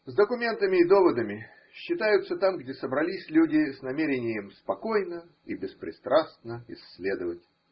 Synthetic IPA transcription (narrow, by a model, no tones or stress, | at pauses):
zd̪əkʊmʲe̞nt̪əmʲɪːd̪o̞vəd̪əmʲɪ | ɕːɪt̪ajʊt̪sət̪amɡdʲesəbɾɐlʲisʲlʲudʲɪsʲnɐmʲeɾʲɪnʲɪjəmspɐko̞jnə | ibʲɪspɾʲɪ̰st̪ɾast̪nəɪ̰slʲe̞d̪əvətʲ